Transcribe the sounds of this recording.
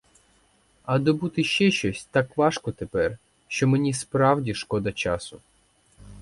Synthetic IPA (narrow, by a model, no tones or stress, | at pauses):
ɐd̪ɔbut̪ɪʃt͡ʃɛʃt͡ʃɔsʲt̪ɑkʋɑʃkɔt̪epɛr | ʃt͡ʃɔmenʲispɾɑwdʲiʃkɔd̪ɐt͡ʃɑsʊ